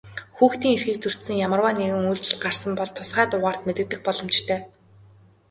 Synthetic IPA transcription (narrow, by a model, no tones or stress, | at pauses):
xuːxt̪iːŋerxiːk̚t͡sʰɵr̥t̪sɘ̆ŋjamə̆rwaːneɣɘ̆ŋujɮt̪ɘ̆ɮɢar̥sə̆mpɔɮt̪ʰʊsχɢæːt̪ʊʁaːr̥t̪met̪ɘ̆t̪ɘ̆x̚pɔɮɞ̆mt͡ɕt̪ʰœː